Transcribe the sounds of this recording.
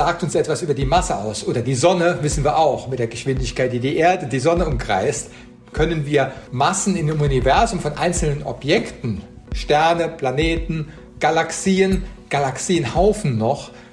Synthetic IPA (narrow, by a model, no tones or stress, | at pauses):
zaːk̚tʊnsʔɛtv̥asʔyːbɐdiːmasəʔa̰ʊsʔoːdɐdiːzɔnəvɪsn̩viːɐʔaʊxmɪt̚d̥eːɐɡəʃv̥ɪndɪçkaɪt̚d̥iːdiːʔeːɐdədiːzɔnəʊmɡʁ̥a̰ɪst | kʰœnənviːɐmasn̩ɪndeːmunivɛɐzʊmfɔnʔa̰ɪnsl̩nənʔɔ̰pjɛktn̩ | ʃtɛɐnəpʰlaneːtn̩ | ɡ̥alaksiːənɡ̥alaksiːənhaʊfn̩ːɔχ